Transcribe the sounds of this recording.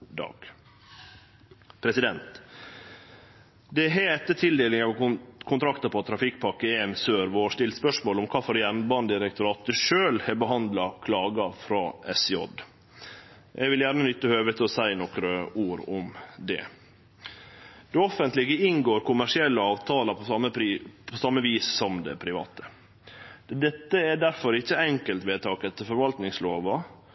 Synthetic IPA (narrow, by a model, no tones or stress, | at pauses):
d̪ɑ̰ːɡ̥ | pʰɾɛsɪd̪ɛnt̪ | d̪ɛɦeːt̪ət̪ʰɪld̪eːlɪŋɑʋkʰʊnt̪ʰɾɑkt̪ɑpʰɔt̪ʰɾɑfɪk̚ːpʰɑkːəeːnsøːɾʋoːʂtɪlt̪spœʂmoːlʊmkʰɑːfɔɾjɛnbɑnd̪ɪɾɛkt̪ʊɾɑːt̪̚d̪əʂøːlhɛbəɦɑnd̪lɑkʰlɑːɡɑfɾɑːɛsjɔ̰d̪ | ʔɛ̰ɡʋɪljæɾnənʏt̪ːəhøːʋət̪ʰəɔsæɪnɔkɾəuːɾʊmd̪ɛ̰ | d̪̥ɛɔfənt̪lɪɡəɪŋɡoːɾkʊmæʂɪɛlːəɑːʋt̪ʰɑːlɑpʰɔɑəpʰɔsɑmːəʋiːsːɔmd̪ɛ̰pʰɾɪʋɑ̰ːt̪ə | d̪ɛt̪ːəæɖæɾfɔɾɪçːəɛŋkəlt̪ʋeːt̪ʰɑːkɛt̪ːəfɔɾʋɑlt̪nɪŋsloːʋɑ